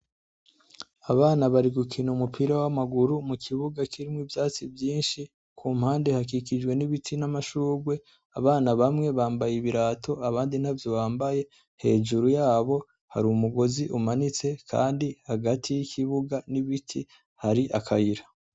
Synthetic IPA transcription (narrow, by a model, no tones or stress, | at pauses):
aβaːnaβaɾiɡukʰinuumupʰiɾawamaɡuɾumukʰiβuɡakiɾimwivjaːt͡sibjiːnʃi | kʰuːmhaːnde̞hak̬ikid͡ʒɡwe̞niβitʰinamaʃuːɡwe̞ | aβaːnaβamŋe̞βaːmbajiβiɾaːtʰo̞aβaːndin̥havjo̞βaːmbaje̞ | he̞̰ːʒuɾujaːβo̞ | ha̰ɾumuɡo̞ziʔumanit͡se̞kʰa̰ːndihaɡatʰijikʰiβuɡaniβitʰi | haɾiʔakʰajiɾa